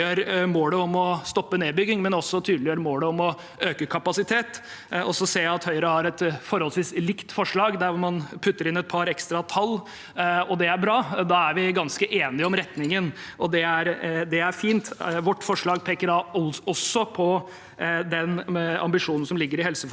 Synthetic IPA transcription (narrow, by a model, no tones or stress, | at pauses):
øːɾmoːləɔmɔst̪ɔpːəneːbʏɡːɪŋmɛnɔsːɔt̪ʰyːd̪lɪjøːɾəmoːləɔmɔ | øːkəkʰɑpɑsɪt̪ʰeːt̪ | ɔsɔseːɑt̪hœʏəɾəhɑɾɛt̪fɔɾhɔlsʋiːslɪkt̪fɔʂɭɑːɡd̪æɾʋɔɾmɑnpʰʉt̪ːəɾɪnɛt̪̚pʰɑɾɛkst̪ɾɑt̪ʰɑlː | ɔd̪ɛæɾbɾɑːd̪ɑːæɾʋɪɡɑnskəʔeːnɪɔmɾɛt̪nɪŋən | ʔɔd̪ɛæɾd̪ɛæɾfiːnt̪ʋɔʈːfɔʂɭɑːɡpʰeːkəɾɑɔɔsɔpʰɔ | d̪ɛnɑ̰mbɪʂuːnn̩sɔmlɪɡːəɾɪhɛlsəf